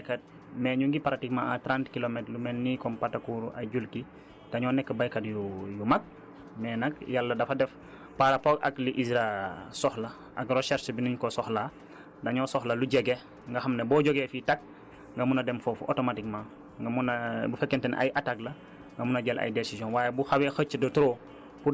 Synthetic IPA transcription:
ajkɐt̚ | mɛːɲuŋɡipaɾatikmãatɾantkilomɛtlumɛnːikɔmpatːakuːɾuʔɐjɟulki | tɐɲɔːnɛkːəbajkɐdjujumak̚ | mɛːnɐkjalːɐdɐfɐdɛf | paɾɐpɔkɐ̰kliʔisɾasɔxlɐ | ʔɐ̰kɾoʃɛɾʃbiniɲkɔsɔxla | dɐɲɔːsɔxlɐluɟɛɡɛ | ŋɡɐxɐmnɐbɔːɟoɡɛfitak̚ | ŋɡɐmunɐdɛmfɔfuʔo̰tomatik̚mã | ŋɡmunbufɛkːɛntɛna̰jʔataklɐ | ŋɡɐmunɐɟɐlʔɐ̰jdesizɔ̃nwaːjɛbuxawɛxət͡ʃːədotuɾo | pu

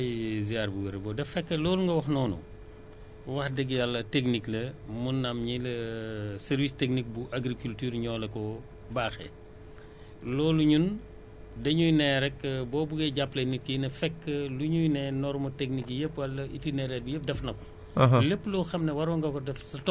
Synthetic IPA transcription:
jziaɾbuwɛɾebɔːdɛfɛkːəlɔːluŋɡɐwɐxnɔːnṵ | wɐxdɛɡjalːɐtekniklɐmunːɐmɲilɐsɛɾvisteknik̚buʔaɡɾikyltyːɾɲɔːlɐkɔ | baːxɛ̰ | lɔːluɲun | dɐɲujnɛɾɛkbɔːbuɡɛɟapːlɛnit̚kinɐfɛkːəluɲujnɛnɔrmɐtek̚nikjepːwɐlːɐitinɛɾɛbujep̚dɛfnɐkɔ̥ | lepːlɔːxɐmnɐwɐɾwɔŋɡɐkɔdɛfsɐtɔ

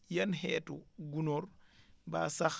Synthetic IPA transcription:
jɐnɦɛːtuɡunoɾba̰sax

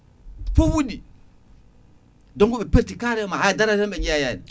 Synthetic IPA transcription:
fowudi | doɡuɓepeɾtikaɾemaaadaɾaɾeɓeɲejajan

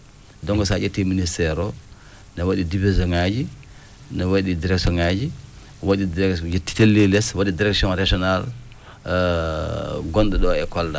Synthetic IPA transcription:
dɔŋɡɔsad͡ʒatːiministɛɾɔ | nawaɗidibizɔŋad͡ʒi | nawaɗidiɾɛksɔŋad͡ʒi | waɗidjetːi̥telːilɛswaɗidiɾɛksiɔ̃nɾaʒɔnal | ɡɔnɗɛɗɔɛkɔlda

